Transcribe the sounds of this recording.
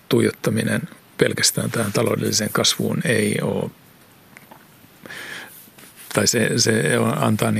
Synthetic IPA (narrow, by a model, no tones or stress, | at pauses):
t̪uijot̪ːɑminḛn | pelkæst̪æːnt̪æhænt̪ɑlo̰ːdelːiseŋkɑsʋṵːneio̰ː | t̪ɑiseseonɑ̰nt̪ɑːni